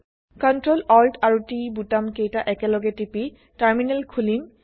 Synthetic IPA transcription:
kɔntɹolɔltaɹutibutamkejtaʔɛkɛlɔɡɛtipi | taɹminɛlkʰulim

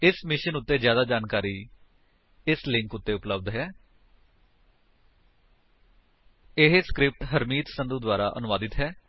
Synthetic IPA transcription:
ɪsmɪʃənʊt̪ːeːzjaːd̪aːd͡ʒaːnkaːɾiː | ɪslɪ̃ŋkʊt̪ːeːʊpləb̚d̪ɦɛː | ɪɦskɾɪp̚ʈɦəɾmiːt̪sənd̪uːd̪waːɾaːʔə̰nʊʋaːd̪ɪt̪ɦɛː

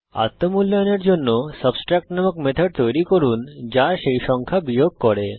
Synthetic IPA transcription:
a̰t̪ːəmulːaneɾd͡ʑonːosəbsʈɾɛk̚ʈnaməkmet̪ʰəɖt̪ojɾikoɾund͡ʑaʃejʃɔŋkʰabijoɡ̚kɔɾe

